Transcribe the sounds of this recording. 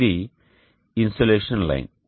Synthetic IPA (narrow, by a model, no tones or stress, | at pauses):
ɾi | instɐleːʂɐ̃nlɐ̰jn